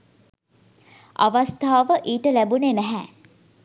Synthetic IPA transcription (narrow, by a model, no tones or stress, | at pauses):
a̰ʋast̪aːʋəʔiːʈəlæbunenæɦæ